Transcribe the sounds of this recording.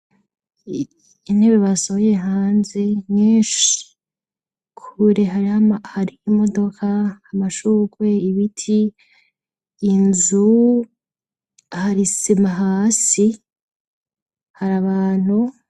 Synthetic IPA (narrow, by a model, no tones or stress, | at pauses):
in̥e̞βeβasoβoje̞ɦaːnze̞mɲeːʃi̥ | kʰuɾeɦaɾahaɾiimo̞do̞kʰahːmaʃuːkwe̞iβitʰi | nzu | haɾisimaɦaːsi | haɾaβaːn̥hu